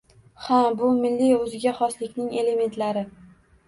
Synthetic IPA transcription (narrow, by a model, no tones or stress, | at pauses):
habʊmɪlːiɵzɪɡʲaχɒslɪkʲnɪŋe̞le̞me̞nt̪laɾɪ